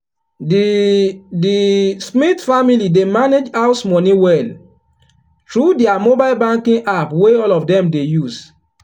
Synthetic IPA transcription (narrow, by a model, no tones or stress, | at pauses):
dismitfamilidemaned͡ʒaʊsmɔnĩwɛl | tɹudɛamobaɪlbãŋkĩŋʔapweɔlɔfdɛ̃mdejus